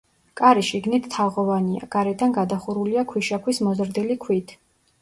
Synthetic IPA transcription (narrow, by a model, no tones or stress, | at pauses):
kʼaɾiʃiɡnit̪ʰt̪ʰːaʁɔvania̰ɡʼaɾɛd̪anɡad̪aχuɾuliakʰwiʃakʰwismɔzɾd̪ilikʰwit̪ʰ